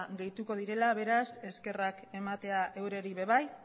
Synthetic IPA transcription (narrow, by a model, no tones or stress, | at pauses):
ɣe̞jt̪uko̞ð̞iɾe̞laβe̞ɾase̞ske̞rake̞mat̪e̞aʔe̞wɾe̞ɾiβe̞βaj